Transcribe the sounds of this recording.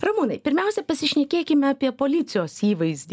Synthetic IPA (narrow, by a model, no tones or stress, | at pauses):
rɐmuːnɐɪpʲɪɾʲmʲɛˑʊsʲɛpɐsʲɪʃʲnʲɛkʲeːkʲɪmʲɛɑːpʲiɛpoːlʲɪt̪sʲɪjoːsiːʋɐɪzʲd̪ʲ